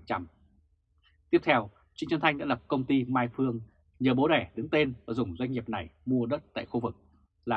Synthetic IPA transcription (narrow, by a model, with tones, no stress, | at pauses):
t͡ɕa˧m | t̪i˦˥əp̚t̪ʰɛ˧w | t͡ɕi˧ŋt͡ɕə˧nt̪ʰjɗa̰ː˧˥lə˨˩p̚kə˧wŋ͡mt̪i˧maː˧jfɨ˧əŋ | ɲəː˨˩ɓo˨˦ɗɛ˧˩ɗɨ˨˦ŋt̪e˧nvaː˨˩zʊ˨˩ŋ͡mzwa˧jŋ̟ːi˨˩əp̚na˨˩jmu˧əɗə˦˥t̚t̪a̰ː˧˨jxu˧vɨ˨˩k̚ | laː˨˩